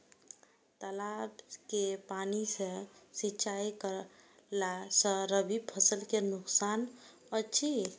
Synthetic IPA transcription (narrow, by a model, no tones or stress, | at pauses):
t̪əlabkepanisə̃sit͡ʃajkəlasə̃ɾəbʱibpʰəsəlkenuksan | ət͡ʃʰi